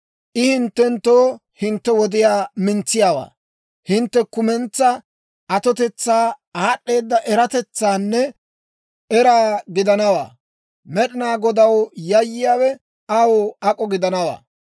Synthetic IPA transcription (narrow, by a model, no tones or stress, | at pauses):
ʔɪhɪnt̪ːɛnt̪ːoːhɪnt̪ːɛwɔd̪ɪjaːmɪnt͡sːɪjaːwa̰ː | hɪnt̪ːɛkʊmɛnt͡sːɐ | ɐt̪ɔt̪ɛt͡sːaːaːɗːe̞ːd̪ːɐʔɛɾɐt̪ɛt͡sːaːnːɛ | ɛɾaːɡɪd̪ɐnɐwa̰ː | mɛɗɪnaːɡɔd̪ɐwjɐjːɪjaːwɛ | ɐwʊɐkʼɔɡɪd̪ɐnɐwa̰ː